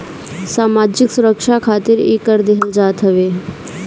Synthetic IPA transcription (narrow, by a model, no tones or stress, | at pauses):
saːmaːd͡ʒiksuɾəkʂakʰaːt̪iɾḛːkəɾd̪eɦəld͡ʒaːt̪ɦəʋeː